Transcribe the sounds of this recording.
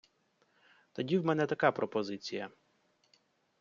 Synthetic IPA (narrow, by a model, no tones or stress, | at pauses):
t̪ɔdʲiwmɛnɛt̪ɐkɑpɾɔpɔzɪt͡sʲijɐ